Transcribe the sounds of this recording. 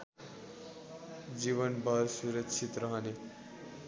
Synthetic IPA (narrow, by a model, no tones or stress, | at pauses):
d͡ʒiβʌnbʱʌɾsuɾʌkt͡ʃʰit̪ɾʌɦʌne